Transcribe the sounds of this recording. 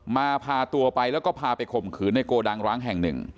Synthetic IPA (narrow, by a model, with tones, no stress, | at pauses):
maː˧pʰaː˧t̪u˧ɐpa˧jlɛː˦˥wkɔː˥˩pʰaː˧pa˧jkʰo˨˩mkʰɯː˩˦nːa˧jkoː˧daː˧ŋɾaː˦˥ŋɦɛ˨˩ŋnɯ̰˨˩ŋ